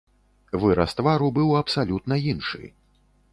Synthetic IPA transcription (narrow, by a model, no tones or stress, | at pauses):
vɨɾɐst̪vaɾubɨwɐpsalʲut̪nɐinʂɨ̰j